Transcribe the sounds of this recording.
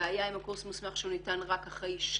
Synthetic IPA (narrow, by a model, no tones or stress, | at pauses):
ajaimakuʁsmusmaχʃeunitanʁakaχʁe̞jʃ